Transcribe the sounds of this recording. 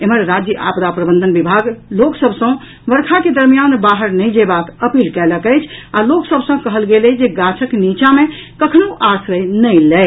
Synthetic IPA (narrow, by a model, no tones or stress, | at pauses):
eməɾːad͡ʒjəʔa̰pd̪apɾəbə̃nd̪ʱənbibʱaɡloksəbʱsə̃ | ʋəɾkʰaked̪əɾmijanbaɦəɾnəjd͡ʒebakəpilkɛləkəjt͡ʃʰaloksəbʱsə̃kəɦəlɡeled͡ʒeɡat͡ʃʰəknit͡ʃamekəkʰnoʔasɾəjnəjlɛ